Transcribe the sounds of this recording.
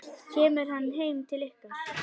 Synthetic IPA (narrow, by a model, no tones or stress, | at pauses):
cʰɛːmʏɾ̥hanːɦeːjmt̪ʰɪlehka